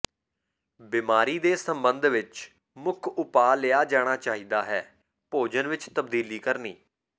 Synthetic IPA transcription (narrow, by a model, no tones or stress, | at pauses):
bɪːmaːɾiːd̪eːsəmbənd̪ʋɪt͡ʃ | mʊkʰʊpaːlɪjaːd͡ʒaːɽ̃aːt͡ʃaːɦiːd̪aːɦɛː | poːd͡ʒənʋɪt͡ʃt̪əbd̪iːliːkəɾniː